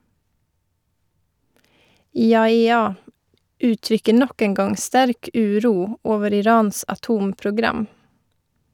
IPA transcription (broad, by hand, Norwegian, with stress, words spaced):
ˌiːɑɛˈɑː ˈʉːˌtɾʏkə ˈɳɔk ˈeːŋ ˈɡɑŋ ˈstæɾk ˈʉːˌɾuː ˈoːʋəɾ ɪˈɾɑːns ɑˈtuːmpɾʊˌɡɾɑm